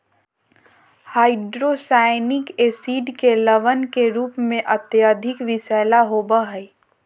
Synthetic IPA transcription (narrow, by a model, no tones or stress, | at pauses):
haːɪɖɾoːsaːɪnɪkeːsiːɖkelɐʋənkeɾuːpmẽʔɐt̪jaːd̪ʱɪkʋɪsɛːlaɦoːbaɦɛi